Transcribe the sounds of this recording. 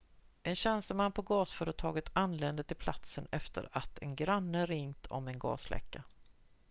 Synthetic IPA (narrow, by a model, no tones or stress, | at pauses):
ʔɛnɕɛnst̪əmanːpʰɔɡɑːsfœːɾət̪ʰɑːɡət̪ʰanleːnd̪ət̪ʰɪlpʰlat̪sənɛft̪ʰə̰ɾat̪ʰɛnɡɾanːəɾɪŋt̪ʰɔ̰mɛnɡɑ̰ːsflʔɛ̰kːa